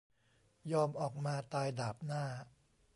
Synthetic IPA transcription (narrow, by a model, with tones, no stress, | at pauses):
jɔː˧mʔɔː˨˩k̚maː˧t̪aː˧jdaː˨˩p̚naː˥˩